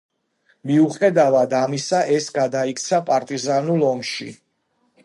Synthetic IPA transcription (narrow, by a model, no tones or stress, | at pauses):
miuχɛd̪avad̪amisaʔɛsɡad̪aikʰʼt̪sʰapʼaɾt̪ʼizanulˠɔmʃḭ